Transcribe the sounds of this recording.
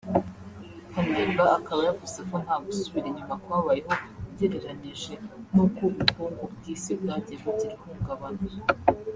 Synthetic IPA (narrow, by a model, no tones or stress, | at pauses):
haneːmbaakaβajavusekon̥haːɡusuβiɾeɲumakwaːβajeɦo̞bɟeɾeɾaniʒenukoβukʰoub̚ɡiːsib̚ɡaːɲɟeɡuɟiɾihuɡaβanu